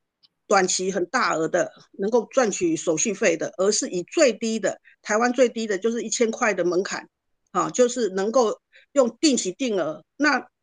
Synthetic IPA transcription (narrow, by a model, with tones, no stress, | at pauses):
t̪wa˨˩nt͡ɕʰi˧˥xə˨˩nt̪a˥˩ə˧˥d̪ə˧ | nə˧˦ŋko˥˧ʊt͡swa˥˨nt͡ɕʰy˨˩so˨˩ʊɕy˥˧fe˥˩ɪd̪ə˩ʔə˧˥ʂɻ̩˥˩i˨˩t͡swe˥˨ɪt̪i˦˥d̪ə˨ | t̪ʰa˧˥ɪwa˦˥nt͡swe˥˩ɪt̪i˥d̪ə˨t͡ɕjo˥˧ʊʂɻ̩˥˩i˥˩t͡ɕʰjɛ˥nkʰwa˥˩ɪd̪ə˩mə˧˦ŋkʰa̰˨˩n | hɑ˥˨t͡ɕjo˥˧ʊʂɻ̩˥˩nə˧˥ŋko˥˧ʊ | jɔ˥˧ŋt̪i˥˩ŋt͡ɕʰi˧˨˥t̪i˥˩ŋə˧˥ | na˥˨